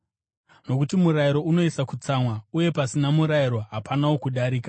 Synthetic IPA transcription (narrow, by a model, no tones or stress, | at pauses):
no̞kutimuɾaiɾo̞uno̞isakut͡samwauje̞pasinamuɾaiɾo̞ɦapʰanawokuɗaɾiːka